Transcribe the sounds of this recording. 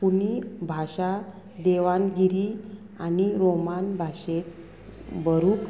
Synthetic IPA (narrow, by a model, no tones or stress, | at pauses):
punibʱaɕa | d̪eʋanɡiɾi | aniɾomanbʱaɕe | bəɾuːk